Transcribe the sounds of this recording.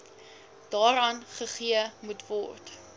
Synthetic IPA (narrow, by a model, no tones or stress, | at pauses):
d̥ɑːɾɑːnχəχiəmutvɔrt